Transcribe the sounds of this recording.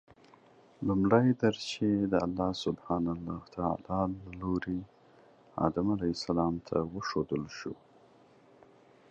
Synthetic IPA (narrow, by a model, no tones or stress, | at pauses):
lumɽajd̪əɾt͡ʃed̪əalːɑsʊbhɑnalːɑxt̪aa̰lɑlːaloɾe | ɑ̰d̪amalajsalɑmt̪ʰawəʃod̪əlʃu